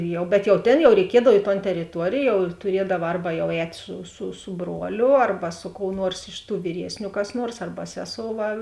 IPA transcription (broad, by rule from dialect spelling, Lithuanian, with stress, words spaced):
ˈjɛʊ bʲɛt jɛʊ ˈtʲeːn jɛʊ rʲɛɪˈkʲiɛdɐw ɪ toːn tʲɛrʲɪˈtuɔrʲeːj jɛʊ ɪr tʊˈrʲiɛdɐʋɐ ˈɐrbɐ jɛʊ ˈɛːtʲ sʊ sʊ sʊ ˈbruɔlʲʊ ˈɐrbɐ sʊ koːʊ ˈnuɔrs ɪʃ tuː ʋʲiːˈrʲiɛsʲnʲʊ kɐs ˈnuɔrs ˈɐrbɐ ˈsʲæːˌsoːʊ ˈʋɐ